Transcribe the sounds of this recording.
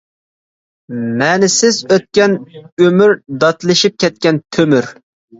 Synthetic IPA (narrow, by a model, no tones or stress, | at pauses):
mɛnɪsɪzøt̪̚kʲɛnømyɾd̪ɑt̪lˠɨʃip̚kʲɛt̪̚kʲɛnt̪ʰømyɾ